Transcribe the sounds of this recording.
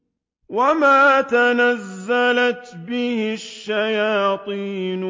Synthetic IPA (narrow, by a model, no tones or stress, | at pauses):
wamaːt̪anazːalat̪bɪhɪʃːajaːt̪ˤiːn